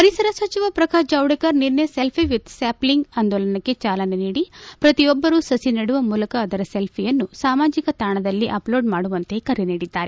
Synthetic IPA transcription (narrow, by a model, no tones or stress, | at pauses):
pɐɾisɐɾɐsʋɐt͡ʃiʋɐpɾɐkaːd͡ʒɐwɽekɐɾniɾnɐselpʰiʋid̪saːpliŋɡɐnd̪ɔlɐnɐkːet͡ʃaːlɐneniːɽipɾɐt̪ijɔbːɐɾusɐsinɐɽuʋɐmuːlɐkɐːd̪ɐɾɐselpʰijɐnːusaːmaːd͡ʒikɐt̪aːɳɐd̪ɐlːiʔɐplo̞ːɖmaːɽuʋɐnt̪e̞ːkɐɾiniːɽid̪ːaːɾe